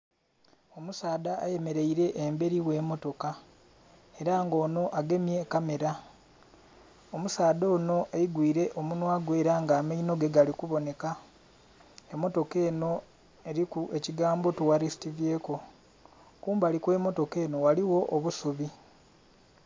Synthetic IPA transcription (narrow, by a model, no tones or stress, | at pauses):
o̞musaːd̪aːje̞me̞ɾe̞iɾe̞ʔːmbe̞ɾiwe̞ːmo̞to̞ka | e̞ɾaːŋɡo̞ːno̞ʔaɡe̞mje̞kame̞ɾa | omusaːd̪o̞ːno̞ʔeiɡwiːɾe̞ʔomunwaːɡwe̞ːɾaːŋɡaːmaino̞ɡe̞ɡalikuβo̞ne̞ka | emːo̞to̞ke̞ːno̞ | e̞ɾikue̞ciɡaːmbo̞tuwaɾisi̥tivje̞ːko̞ | kuːmbaːlikwe̞ːmo̞to̞ke̞ːno̞waliwoʔːβusuβi